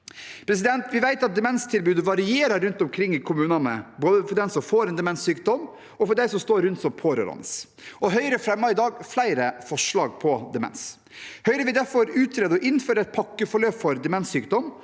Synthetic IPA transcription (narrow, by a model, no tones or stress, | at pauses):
pʰɾɛs̬ɪd̪ɛnt̪ʋɪʋæɪt̪ɑt̪̚d̪ɛmɛnst̪ʰɪlbʉːd̪əʋɑɾɪeːɾɑɾʉnt̪ɔmkʰɾɪŋːɪkʰʊmʉːnɑnə̰boːd̪əfɔɖ̪ɛnsɔmfoːɾɛnd̪ɛmɛnsyːk̚d̪ɔm | ɔfɔɖæɪsɔmst̪oːɾʉnt̪sɔmpʰoːɾø̰ːɾɑ̰nə̰s | ʔɔɦœʏɾəfɾɛmːɑɾɪd̪ɑːɡflæɪɾəfɔʂɭɑːɡpʰɔd̪ɛmɛ̰ns | hœʏɾəʋɪd̪æɾfɔɾʉːt̪ʰɾeːd̪əɔʔɪnːføːɾəɛɪt̪̚pʰɑkːəfɔɾɭøːpfɔɾd̪ɛmɛnssyːkd̪ɔm